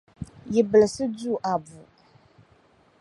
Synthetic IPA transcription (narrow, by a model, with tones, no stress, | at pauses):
ji˨bə˨lsɨ˦d͡zu˦˨ʔa˨bu˨